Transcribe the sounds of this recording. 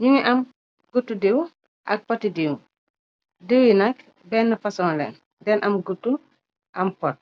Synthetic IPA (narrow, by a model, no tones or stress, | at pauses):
ɲuŋiʔɐm | ɡutːudiw | ʔɐ̰k̚pɔtːidiw | dəwinɐk | bɛnːɐfɐsɔːnlɛ̰n | dɛnʔɐmɡutːu | ʔɐmpɔt̚